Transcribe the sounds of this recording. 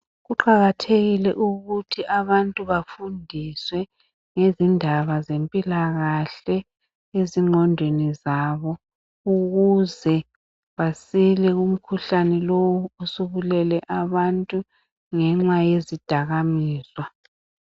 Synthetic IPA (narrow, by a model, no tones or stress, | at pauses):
ɣuǃaɣatʰeɣilɛʔuɣutʰiʔaβantʼuβafundʱiswɛ | ŋezindʱaβazempʼilaɣaɬɛ | eziŋ͡ǃʱɔndʱwenizaβɔ | uɣuzɛ | βasilɛɣum̩kʰuɬanɛlowuusuɣulɛlɛʔaβantʼu | ŋɛŋ͡ǁajezid̥ʱaɣamiːzwa